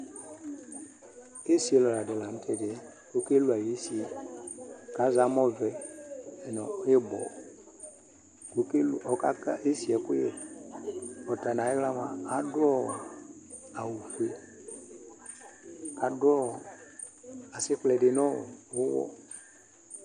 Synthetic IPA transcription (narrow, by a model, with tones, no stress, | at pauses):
e˦si˨˦e˨lɔ˨la˨de˨la˨n̩˦tʰɛ˨dɪ˨ɛ˦ | ko˨˦ke˦lu˨a˨je˦si˦ɛ˨ | ka˨˦za˨˦mɔ˦vɛ˦˨ | nɔ˨˦je˦bɔ̰˨ | ko˨ke˦lɔ˨ka˦ka˦ʔe˦si˨ɛ˨ku˦e˨ | ɔ˨ta˨na˨e˦ɣla˦maː˨˦dɔ˦ | a˨wu˨fe˦ | ka˨dɔ˦˨ | a˨sɪ˦k͡plɛ˨de˨˦nɔ˦˨o˦wɔ̰˦